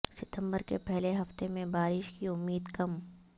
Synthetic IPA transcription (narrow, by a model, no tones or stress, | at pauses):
sɪt̪ə̃mbəɾkḛpɛɦleɦɐft̪emẽbaːɾɪʃkiʊmːiːd̪kɐm